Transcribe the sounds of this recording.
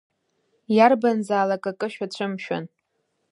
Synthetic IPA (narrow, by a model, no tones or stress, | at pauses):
jarbanzaːlakʼakʼɨʃᶣat͡ɕʷʰɨmʃᶣa̰n